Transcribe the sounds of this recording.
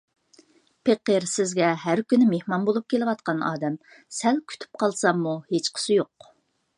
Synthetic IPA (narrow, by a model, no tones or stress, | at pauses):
pʰeqəɾsɪzɡʲɛɦæɾkʲynɪmehmɑnbolˠup̚kʲʰelɪwɑt̪̚qɑnɑ̰ːd̪ɛm | sɛlkʲʰy̥t̪ʰy̥p̚qʰɑlˠsɑmːuhet͡ʃqʰə̥sɪjoq